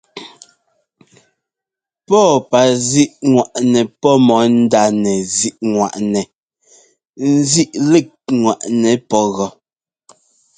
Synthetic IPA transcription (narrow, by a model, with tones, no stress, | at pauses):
pɔ˦˨pa˨zi˦ʔŋwa˨ʔnɛ˨pɔ˦mɔ˨˦n̩˦da˦˨nɛ˨zi˦ʔŋwa̰˨ʔnɛ˨ | n̩˦zi˦ʔle˦˨k̚ŋwa˨ʔnɛ˨pɔ˦ɣɔ˨